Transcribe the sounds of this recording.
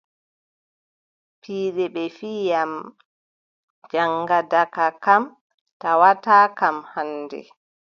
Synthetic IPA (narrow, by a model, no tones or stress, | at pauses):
pʰiːɗɛɓɛfiːja | d͡ʒaŋɡadakakam | tawataːkamhandɛ̰